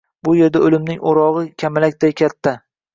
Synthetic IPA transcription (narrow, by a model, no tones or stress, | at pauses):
bʊje̞ɾd̪aolɪmnɪŋoɾɒʁɨkʲʰamalakʲt̪ʰajkʲʰat̪ʰːa